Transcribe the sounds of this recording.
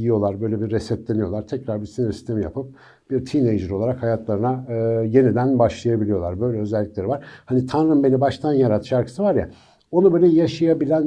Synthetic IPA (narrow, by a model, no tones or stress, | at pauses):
ijo̞lˠaɾbø̞jlʲebiːɛsɛt̪lʲenijo̞lˠaɾt̪ʰɛcɾaɾbiɾsinɾsist̪ʰe̞mija̰pʰɯp̚ | b̥iɾt̪ʰinejd͡ʒɯɾo̞lˠaɾakhajat̪lˠaɾɯnaje̞nid̪ænbaʃlˠajabilʲijo̞lˠaɾbø̞jlʲɛø̞zɛlʲːiclʲe̞ɾivaɾ̥hanit̪ʰanɾɯmbe̞nibaʃt̪ʰanjaɾat̪ʰʃaɾkʰɯ̥sɯvaɾja̰ | o̞nubø̞jlʲɛjaʃajabilʲæn